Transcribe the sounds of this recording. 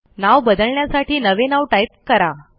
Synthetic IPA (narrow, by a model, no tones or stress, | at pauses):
naʋbəd̪əɭɳjasaʈiːnəʋenaʋʈajp̚kəɾa